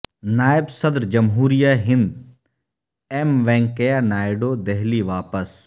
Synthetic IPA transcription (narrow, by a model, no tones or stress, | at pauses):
naːɪbsɐd̪ɾd͡ʒɐmɦuːɾijaɦɪ̃nd̪ | ɛmʋɛ̃ːŋkejanaːɪɖoːd̪ɛɦliʋaːpəs